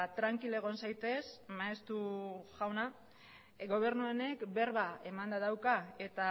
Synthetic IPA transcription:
t̪ɾaŋkile̞ɣ̞o̞nsajt̪e̞smaest̪uʝawna | ɡo̞β̞e̞ɾnuene̞kbe̞ɾβae̞mand̪aðawkae̞t̪a

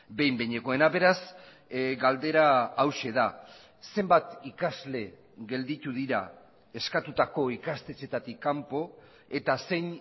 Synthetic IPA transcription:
be̞jmbeɲe̞ko̞e̞naβe̞ɾas | ɡald̪e̞ɾaːwʃe̞ða | se̞mbat̪ikazle̞ | ɣe̞ld̪it̪uðiɾa̰ | e̞skat̪ut̪ako̞ikast̪e̞t͡ʃe̞t̪at̪ikːampo̞ | e̞t̪ase̞jn

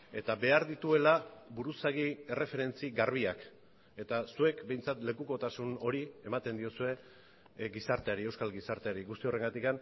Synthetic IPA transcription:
e̞t̪abe̞aɾðit̪ue̞labuɾusaɣie̞re̞fe̞ɾe̞nt͡siɣaɾβ̞iak | e̞t̪asue̞kbe̞jnt͡sat̪le̞kuko̞t̪asuno̞ɾie̞mat̪e̞nd̪io̞sue̞ | ɡisaɾt̪e̞aɾie̞wskalɣisaɾt̪eaɾiɣust̪io̞re̞ŋɡat̪ikan

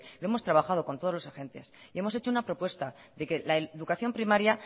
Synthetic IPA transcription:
lo̞e̞mo̞st̪ɾaβaxað̞o̞kont̪o̞ð̞lo̞saxe̞nt̪e̞sie̞mo̞se̞t͡ʃo̞unapɾo̞pwe̞st̪a | ðe̞ke̞laeðukaθjo̞mpɾimaɾja

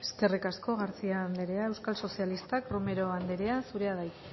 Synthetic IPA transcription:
eske̞rikasko̞ɣaɾt͡siaːnd̪eɾe̞ae̞wskalso̞sialist̪akrome̞ɾo̞and̪eɾe̞asuɾe̞aðaj

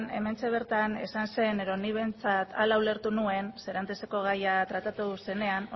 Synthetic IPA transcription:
ne̞̰me̞nt͡se̞β̞e̞ɾt̪anḛsanse̞neðo̞niβ̞e̞nt͡sat̪alawle̞ɾt̪unue̞nse̞ɾant̪eseko̞ɣ̞ajat̪ɾat̪at̪use̞ne̞an

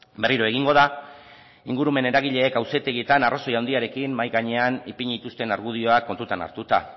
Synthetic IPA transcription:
be̞riɾo̞e̞ɣiŋɡo̞ð̞a | iŋɡuɾume̞ne̞ɾaɣiʎe̞ːkawse̞t̪e̞ɣie̞t̪anarʔoso̞jawnd̪iaɾe̞kimmajɣaɲe̞anipiɲit̪ust̪e̞naɾɣ̞uð̞io̞akːo̞nt̪ut̪ana̰ɾt̪ut̪a

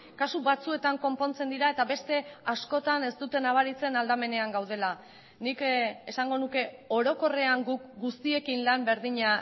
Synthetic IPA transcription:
kasuβat͡sue̞t̪aŋko̞mpo̞nt͡se̞nd̪iɾae̞t̪aβe̞st̪e̞asko̞t̪ane̞st̪ut̪e̞naβ̞aɾit͡se̞nald̪ame̞ne̞aŋɡawð̞e̞la | nikesaŋɡo̞nuke̞o̞ɾo̞ko̞re̞aŋɡukɡust̪ie̞kinlambe̞ɾðiɲa

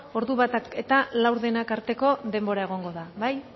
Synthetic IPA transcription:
o̞ɾðuβat̪ake̞t̪alawɾðe̞nakaɾt̪e̞ko̞ðe̞mbo̞ɾae̞ɣ̞o̞ŋɡo̞ðaβaj

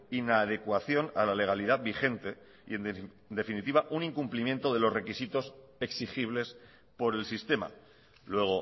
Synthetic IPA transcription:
inaːð̞e̞kwaθjo̞nalale̞ɣ̞aliðabixe̞nt̪e̞ | ḭe̞n | nd̪e̞finit̪iβaʔuniŋkumplimjẽ̞nt̪o̞ðe̞lo̞zre̞kisit̪o̞s | e̞ksixiβ̞le̞s | po̞ɾe̞lsist̪e̞ma̰ | lwe̞ɣ̞o̞

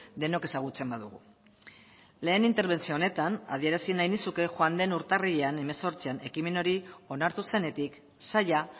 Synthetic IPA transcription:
d̪e̞no̞ke̞saɣ̞ut͡se̞mbaðuɣṵ | le̞ːnint̪e̞ɾβ̞e̞nt͡sione̞t̪ana̰ð̞ie̞ɾasinajnisuke̞xwand̪e̞nuɾt̪ariʎeane̞me̞so̞ɾt͡siane̞kime̞no̞ɾio̞naɾt̪use̞ne̞t̪ik | saja

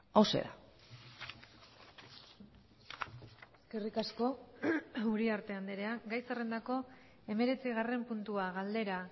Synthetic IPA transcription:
awsḛɾa̰ | eske̞rikasko̞ | uɾiaɾt̪e̞and̪eɾeaɡajsare̞nd̪ako̞ | e̞me̞ɾe̞t͡siɣare̞mpunt̪uaɣald̪e̞ɾa

